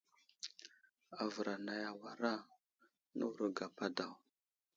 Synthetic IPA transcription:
a˨və˨ɾa˨na˨ja˨wa˨ɾa˦ | nṵ˦wɾə˨ɡa˨pa˦da˨w

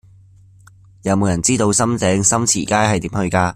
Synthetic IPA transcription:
jɐ˨˧wmo˨˧wjɐ˨˩nt͡siː˥t̪o˧wsɐ˥mt͡sɛː˨˥ŋsɐ˥mt͡sʰḭː˨˩kaː˥jhɐ˨jt̪iː˨˥mhɵ˧ɥkaː˧

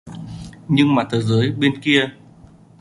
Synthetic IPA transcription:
ɲɨ˧ŋmaː˨˩t̪ʰəː˨˦jzəː˨˦jɓe˧nki˧ə

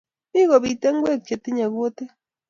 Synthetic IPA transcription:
bi˦ɣo˨βi˨te˦ŋ˦ɡwe˦˨k̚ke˨ti˦ɲa˨ɣwo˦te˦

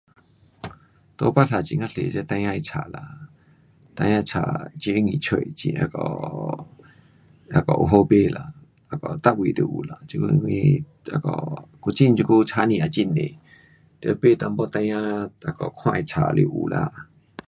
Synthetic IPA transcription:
t̪o˧pa˦ɬa˨t͡ʃĩ˧˨ŋã˧ɬe˨ze˧˦t̪ã˧jã˧i˧t͡ʃʰa˨la˨ | t̪ã˧jã˧t͡ʃʰa˧˨t͡ʃi˧˦ŋĩ˨t͡ʃʰwe˧˨t͡ʃḭ̃˧ʔa̰˧kɔ˧˨ | a˧kɔ˨ʔu˧ɦo˧pe˧˨la˨ | a˧kɔ˨t̪a˦ʔwʷi˧˨d̪u˧˨ʔu˨la˨t͡ʃi˧kṵ˧ŋi˧ | a˧˨kɔ˧˨ku˧t͡ʃi˦˨nt͡ʃi˧ku˦t͡ʃʰa˧nĩ˧a˧˨t͡ʃi˧nẽ˨ | t̪e˧pe˦˨t̪a˧m˦bo˦t̪ã˧jã˦a˧kɔ˨kʰwã˦˧i˧˨t͡ʃʰa̰˨lḭ˧ʔṵ˨la̰˧˨

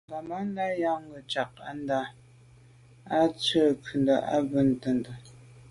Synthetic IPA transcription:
ŋɡa˨ma˦n˦da˦ja˦ŋ˦ɡə˨t͡ʃa˨k̚a̰˦n˦da˦ | a˦t͡sə˦˨kʰə˨ndə˨ʔa̰˦bə˦n̩˨tə˨n˨də˨

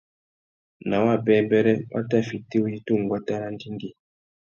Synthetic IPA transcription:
na˨wa˦˨bɛ˦bɛ˦ɾɛ˦wa̰˦ta˦˨fi˨ti˦wji˦tu˦˨ŋ˨ɡwa˦ta˦ɾa˦n˦di˦ŋ˦ɡi˦

